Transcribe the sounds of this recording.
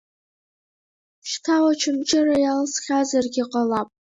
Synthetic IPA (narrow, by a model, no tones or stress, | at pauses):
ʃtʰawat͡ʃʰɪmt͡ʃʼɪrajalsχʲazarɡʲiqʼalapʼ